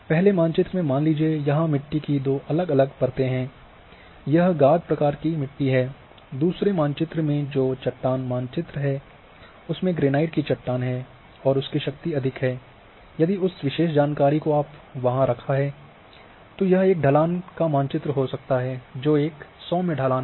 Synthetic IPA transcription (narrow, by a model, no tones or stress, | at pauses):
pɛɦlemãːnt͡ʃɪt̪ɾəmẽmaːnliːd͡ʒiejɐɦãmɪʈːikid̪oːʔɐləɡɐləɡpɐɾt̪eɦɛ̃ː | jɐɦɡaːd̪̚pɾɐkaːɾkimɪʈːiɦɛː | d̪uːsɾemãːnt͡ʃɪt̪ɾəmẽd͡ʒoːt͡ʃɐʈːaːnmaːnt͡ʃɪt̪ɾəɦɛː | ʊsmẽɡɾeːnaːɪʈkit͡ʃɐʈːaːnɦɛː | ɔːɾʊskiʃɐk̚t̪iɐd̪ʱɪkɦɛː | jɐd̪iʊsʋɪʃeːʃd͡ʒaːnkaːɾikoaːpʋɐɦãɾɐkʰaɦɛː | t̪ojɐɦeːk̚ɖʱɐlaːnkamãːnt͡ʃɪt̪ɾəɦosɐk̚t̪aɦɛd͡ʒoːeːksɔːmẽɖʱɐlaːn